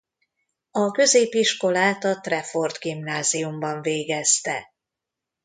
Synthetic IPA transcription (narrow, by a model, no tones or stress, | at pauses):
ɒkø̞zeːpiʃko̞laːt̪ɒt̪rɛfo̞rd̪ɡimnaːzijumbɒɱveːɡɛst̪ɛ